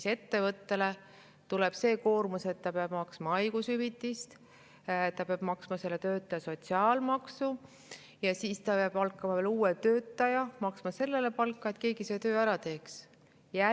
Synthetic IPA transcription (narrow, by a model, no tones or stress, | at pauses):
se̞t̪ːe̞vɤt̪ːe̞le̞ | t̪ule̞b̥se̞ːko̞ːrmuse̞t̪ːɑpeɑb̥mɑksmɑɑjɡ̥usyvit̪ˑːist̪ | t̪ːɑpeɑb̥mɑksmɑse̞lːe̞t̪ø̞ːt̪ːˑɑjɑso̞t̪siɑːlmɑksu | jɑsiːst̪ɑpeɑb̥ɑlkːˑɑmɑveluːet̪øːt̪ːˑɑjɑmɑksmɑse̞lːe̞le̞pɑlkːˑɑe̞t̪ke̞ːɡise̞ːt̪ø̞ːæɾɑt̪e̞ːks | jæ